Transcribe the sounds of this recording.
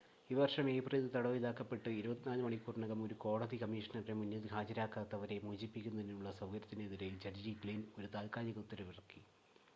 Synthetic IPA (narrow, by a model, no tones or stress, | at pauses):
iʋɐrʂɐme̞ːbreːðit̪ɐɽɐʋiðaːkːɐpːe̞ʈːɨiɾubɐt̪ːinaːlɐmɐɳikːurɳɐɣɐmo̞ɾuko̞ːɽɐðikɐmiːʂɐnɐremunːjɐðhʰaːd͡ʑɐɾaːkːaːt̪ːɐʋɐɾe̞muːt͡ɕːipːikʲːunːɐðinuɭːɐsɐwkɐɾɐt̪ːineːðiɾejild͡ʑɐɾd͡ʑikliːno̞ɾut̪aːlkaːlɐɣɐt̪ːiɾeʋirɐkːi